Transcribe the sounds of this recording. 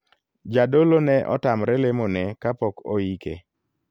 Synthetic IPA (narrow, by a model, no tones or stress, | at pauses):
d͡ʒadolonɛʔɔ̰tamɾɛlemonɛkapɔkoikḛ